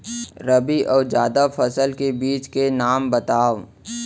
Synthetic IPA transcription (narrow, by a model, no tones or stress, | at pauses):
ɾɐbiʔɔːd͡ʒaːd̪afʰɐsəlkebiːt͡ʃkenaːmbɐt̪aːʋ